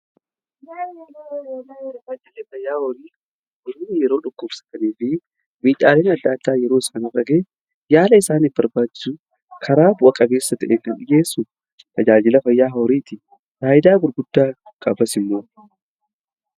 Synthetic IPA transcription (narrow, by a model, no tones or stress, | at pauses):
ɐd͡ʒɪlefɐjːaːhɔɾiː | ɔɾiːnːɪjɛɾo̞ːᶑʊkːʊbsɐ̥k̪ɐniːfɪ | miːᶑʼaːle̞ːnɐd̪ːaːt̪ːaːjɛɾo̞ːɪsɐnɐrɐɡeː | jaːlɐɪsaːnɪfbɐɾbaːd͡ʒɪ̥sʊ | kʰɐɾaːbʊʔɐkʼɐbe̞ːsːɐt̪ɐʔeːfɪnᶑɪjeːsːʊ | t̪ʰɐd͡ʒaːd͡ʒɪlɐfɐjːaːɦɔɾiːt̪ɪ | ɾaːjɪd̪aːɡʊɾɡʊd̪ːaː | kʼɐbɐsɪmːoː